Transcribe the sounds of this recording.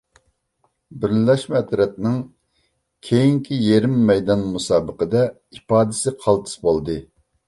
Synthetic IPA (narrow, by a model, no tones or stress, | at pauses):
bɪɾlɛʃmɛt̪ɾɛt̪̚nɪŋ | kʲʰejiŋkʲʰijeɾɪmːɛjd̪ɑnmusɑːbəqəd̪ɛ | ipɑːd̪ɪsɪqʰɑlˠt̪ʰɨ̥sbolˠd̪ɨ